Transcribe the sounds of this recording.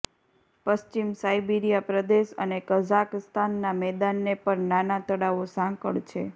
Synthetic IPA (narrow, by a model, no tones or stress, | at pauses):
pəst͡ʃimsajbiɾijapɾəd̪eʃə̰nekəzakst̪ʰanːamɛd̪anːepəɾnanat̪əɽaʋosãŋkəɭt͡ʃʰe